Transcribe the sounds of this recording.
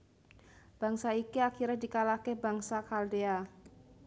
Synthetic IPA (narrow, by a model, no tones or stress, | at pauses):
b̥aŋsaikiakiɾɛhdikalahkebaŋsakaldea